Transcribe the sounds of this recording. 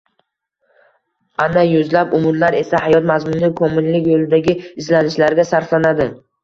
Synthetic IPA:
anajʊzlapʊmʊɾlaɾe̞sahajɒt̪mazmʊnːɪkʰomɪnlɪkʲjolˠɪd̪aɡʲɪɪzlanɪʃlaɾɡʲasaɾflanad̪ɪ

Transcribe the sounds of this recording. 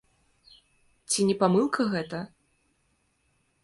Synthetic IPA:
t͡sʲinʲɛpamɨlˠkʰɐɣɛt̪ɐ

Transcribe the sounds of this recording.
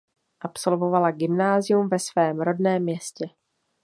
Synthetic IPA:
ʔapso̞lvo̞valaɡɪmnaːzɪjumvɛsvɛːmɾo̞dnɛːmːɲɛscɛ

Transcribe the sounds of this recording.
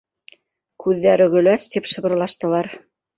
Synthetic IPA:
kʉðːæɾɘɡɵ̆læst̪ipʃɤ̆βɤ̆ɾlˠɑʃt̪ɤ̆lˠɑɾ

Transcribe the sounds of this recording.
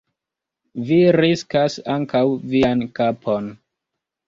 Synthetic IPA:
viɾiskasaŋkawviankapʰo̞n

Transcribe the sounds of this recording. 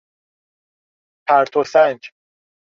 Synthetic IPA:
pʰæɾt̪ʰosænd͡ʒ

